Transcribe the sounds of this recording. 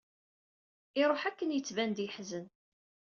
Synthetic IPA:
ɪɾˤoħækːənjət͡sːvænd̪ɪħzən

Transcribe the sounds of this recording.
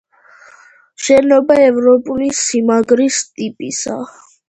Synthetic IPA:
ʃɛnɔbaɛvɾɔpʼulisimaɡɾist̪ʼipʼisa

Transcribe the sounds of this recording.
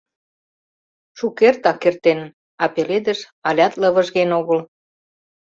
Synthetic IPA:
ʃukert̪ɑkːert̪en | ɑpeled̪ə̆ʃ | ɑlʲɑt̪lə̆βə̆ʒɣenoɣəl

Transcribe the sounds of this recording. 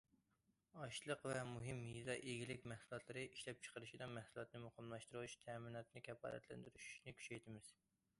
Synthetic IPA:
ɑʃlˠəqvɛmuɦɪmhizɑʔeɡʲilɪkʲmɛhsulˠɑt̪ʰlˠɨɾɨʔiʃlɛp̚t͡ʃʰə̥qəɾɨʃid̪ɑmɛhsulˠɑt̪nɨmuqəmlˠɑʃt̪ɨɾɨwut͡ʃt̪ʰɛminɑt̪nɨkʲʰɛfɑ̰ːd̪ɛ̰t̪ʰlɛ̰nd̪yɾyʃy̥ʃnɪkʲʰy̥t͡ʃɛjt̪ʰɪmɪz̥

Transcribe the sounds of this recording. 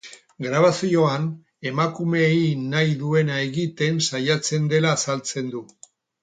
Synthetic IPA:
ɡɾaβ̞asio̞an | e̞makume̞inajðue̞nae̞ɣit̪e̞nsajat͡se̞nd̪e̞laːsalt͡se̞nd̪u

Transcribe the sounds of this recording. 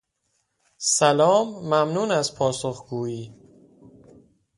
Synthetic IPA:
sælɒːmːæmnuːnæzpʰɒːsoxɡ̥uːiː

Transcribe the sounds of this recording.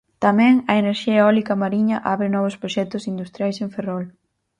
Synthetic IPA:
t̪amɛ̃ŋɐeneɾʃiɐeɔlikɐmaɾiɲɐʔaβɾɪnɔβ̞ʊspɾoʃɛk̚t̪ʊsind̪ust̪ɾjajsẽɱferɔl

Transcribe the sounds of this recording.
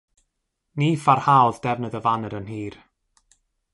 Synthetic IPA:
niːfarhawðd̥ɛvnəðəvanəɾənɦiːr

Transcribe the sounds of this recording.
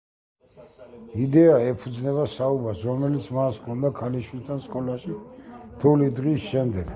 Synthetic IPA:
id̪ɛaɛpʰud̪znɛβasaubasɾɔmɛlit̪sʰmaskʰɔnd̪akʰaliʃwilt̪ʰanskʼɔlaʃit̪ʰulid̪ʁisʃɛmd̪ɛɡ̥

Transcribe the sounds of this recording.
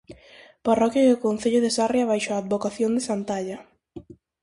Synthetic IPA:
parɔkjaiðokon̟θeʎʊðesarjaβajʃoaːd̪βokaθjond̪esant̪aʎa

